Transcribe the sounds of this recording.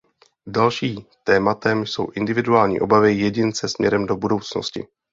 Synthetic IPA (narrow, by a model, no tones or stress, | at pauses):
dalʃiːmt̪ɛːmat̪ɛmso̞̰wʔɪndɪvɪduaːlɲḭːʔo̞̰bavɪjɛɟɪnt͡sɛsmɲɛ̰ɾɛmdo̞budo̞wt͡sno̞scɪ̰